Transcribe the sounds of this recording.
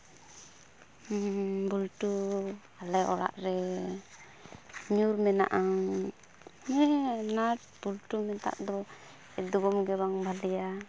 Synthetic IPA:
bulʈu | alɛʔɔɽa̰ʔɾɛ | ɲuɾmɛna̰ʔaŋ | mɛnaɾ | b̥ulʈumɛt̪a̰ʔd̪ɔ | ɛd̪uɡɔmɡɛβaŋbʱalɛja

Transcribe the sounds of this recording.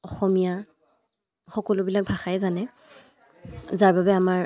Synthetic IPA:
ɔxɔmija | xɔkɔlʊbilak̚bʱaxajɛzanɛ | zaɹbabɛamaɹ

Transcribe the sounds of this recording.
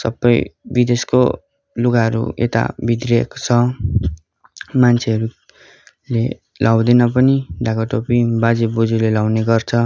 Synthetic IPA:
sʌbːʌjbid̪esko̰ | luɡaɦʌɾṵḛt̪a̰bid̪rekt͡sʰʌ | mant͡sʰeʌɾu | le | lʔawd̪enʌpʌniɖaɡaʈopibad͡zibud͡zulelawneɡʌrt͡sʰʌ

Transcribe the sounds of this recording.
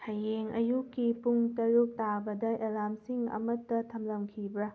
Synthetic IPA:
hɐjeŋɐ̰jukːipuŋtɐɾuk̚tabɐdɐelamsiŋɐ̰mɐtːɐtʰɐmlɐmkʰibɾɐ

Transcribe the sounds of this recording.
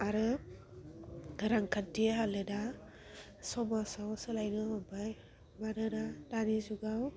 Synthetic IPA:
aɾɯ | ɡɯɾaŋkʰadieɦalɯda | sɔmasawsɯlajnɯmɔbaj | manɯdadanizuɡaw

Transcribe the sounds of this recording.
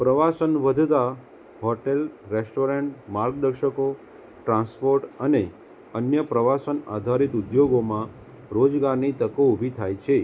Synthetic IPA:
pɾəʋasənʋəd̪ʱt̪a | ɦɔʈelɾesʈoɾeɳʈmaɾɡ̚d̪əɾʃəko | ʈɾãnspoɾʈəne | ənjəpɾəʋasəna̰d̪ʱaɾit̪ud̪joɡomã | ɾod͡ʒɡaɾnit̪əkoubʱit̪ʰajt͡ʃʰe

